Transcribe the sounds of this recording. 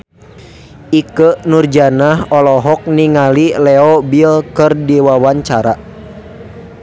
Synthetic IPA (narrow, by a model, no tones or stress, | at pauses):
ikənurd͡ʒanahɔlɔɦɔk̚niŋalilɛɔbilkərdiwawaɲt͡ʃaɾa